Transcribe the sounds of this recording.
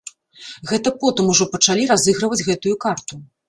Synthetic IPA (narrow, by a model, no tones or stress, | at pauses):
ɣɛt̪ɐpɔt̪ɨmuʐɔpɐt͡ʂalʲiɾazɨɣɾɐvɐd͡zʲɣɛt̪ujukart̪u